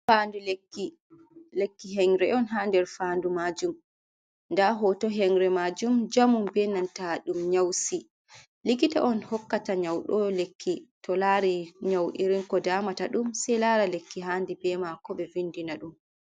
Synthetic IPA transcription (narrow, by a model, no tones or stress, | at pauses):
fandulekːi | lekːiɦɛŋɾɛɔnɦandɛɾfaːndumad͡ʒum | ndaɦɔtɔɦɛŋɾɛmad͡ʒumd͡ʒamumbɛnantaɗumɲawsi | likita̰ʔɔnhɔkːataɲawɗɔlekʰːitʰɔlaɾiɲawʔḭɾinkɔdaːmataɗumsɛlaɾalekːiɦaːndibɛmakɔɓɛvindinaɗum